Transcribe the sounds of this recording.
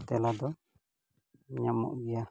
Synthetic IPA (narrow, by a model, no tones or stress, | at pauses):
t̪ɛlad̪ɔ | ɲamɔ̰ʔɡɛja